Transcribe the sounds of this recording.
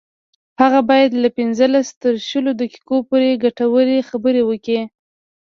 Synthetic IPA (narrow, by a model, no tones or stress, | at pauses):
haɣabɑjad̪lapɪnzəlast̪əɾʃəlod̪əki̥kopoɾeɡaʈawəɾexabəɾewəki